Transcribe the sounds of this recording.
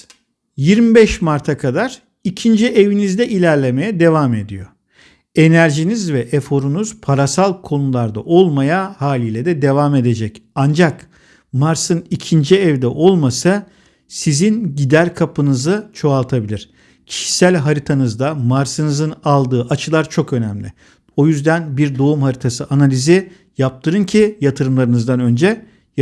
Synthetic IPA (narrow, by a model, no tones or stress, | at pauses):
jiɾmibɛʃmaɾt̪ʰakʰad̪aɾ̥ | icʰind͡ʒiʔevinizd̪ɛʔilʲæɾlʲe̞me̞jɛd̪e̞vaːme̞d̪ḭjo | e̞næɾʒinizvɛʔefo̞ɾunuz̥pʰaɾasalˠkʰo̞nulˠaɾd̪a̰ʔo̞lˠmajahaːlʲiːlʲɛd̪ɛd̪e̞vaːme̞d̪e̞d͡ʒɛcand͡ʒak | maɾsɯnicʰind͡ʒiɛvd̪ɛʔo̞lˠmasa | sizinɟid̪æɾʲkʰapʰɯnɯzɯt͡ʃʰo̞alˠt̪ʰabilʲiɾ̥ | cʰi̥ʃi̥sælʲɦaɾit̪ʰanɯzd̪amaɾsɯnɯzɯnalˠd̪ɯːʔat͡ʃʰɯlˠaɾt͡ʃʰo̞kø̞næmlʲɪ̰ | o̞jyzd̪ænbiɾd̪o̞umhaɾit̪ʰasɯʔanalʲizi | jap̚t̪ʰɯɾɯncʰijat̪ʰɯɾɯmlˠaɾɯnɯzd̪anø̞nd͡ʒɛ | j